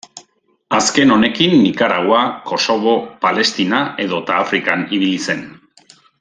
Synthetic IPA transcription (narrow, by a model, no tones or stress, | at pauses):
aske̞no̞ne̞kinːikaɾawako̞so̞β̞o̞pale̞st̪inae̞ðo̞t̪aːfɾikaniβ̞ilise̞n